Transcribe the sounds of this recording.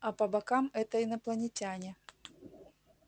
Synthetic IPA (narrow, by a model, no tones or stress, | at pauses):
ɐpɐbɐkamɛt̪əinɐplˠɐnʲɪtʲanʲɪ